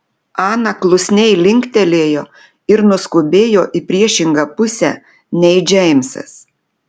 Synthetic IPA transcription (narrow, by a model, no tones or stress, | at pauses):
ɑːnɐklˠʊsʲnʲɛɪlʲɪŋʲkt̪ʲɛlʲeːjoː | ɪɾnʊskʊbʲeːjoːʔɪpʲɾʲiɛʃʲɪŋɡɐpʊsʲɛ̰ | nʲɛɪd͡ʒʲɛɪmʲsɐ̰s